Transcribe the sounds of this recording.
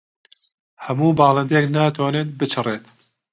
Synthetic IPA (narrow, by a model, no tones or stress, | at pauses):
hɐmuːbɑːlˠɐnd̪eːknaːt̪ʰwaːneːt̪̚bɨt͡ʃʰɨreːt̪